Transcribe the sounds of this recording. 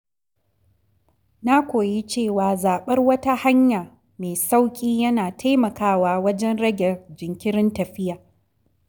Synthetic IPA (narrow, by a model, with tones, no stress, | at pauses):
naː˦kʷoː˨ji˦t͡ʃeː˦˨waː˨zaː˨ɓɐ˦rwɐ˦ta˦ha˦ɲjaː˨ | meː˨sa˦wkʲʼiː˦jɐ˦naː˨tʰa˦jmɐ˨kaː˦waː˨wɐ˦d͡ʒɛ˦nɽɐ˦ɡʲɛ˨d͡ʒɪ˨ŋkʲɪ˦ɾɪ˦ntɐ˨ɸɪ˦jaː˨